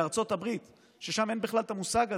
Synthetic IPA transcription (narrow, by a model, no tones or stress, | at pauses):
aʁt͡so̞t̪abʁit̪ | ʃeʃame̞nbiχlalt̪amusaɡa